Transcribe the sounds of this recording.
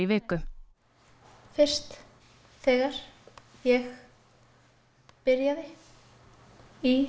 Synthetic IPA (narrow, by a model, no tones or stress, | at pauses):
ivɪːkʏ | fɪr̥st̪ | θɛːɣaɾ̥jɛɣ | pɪɾjaðɪ | i